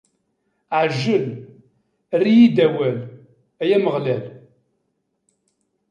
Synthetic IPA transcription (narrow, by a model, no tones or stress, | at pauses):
ʕʒːəl | rːijid̪æwæl | æjæməʁlæl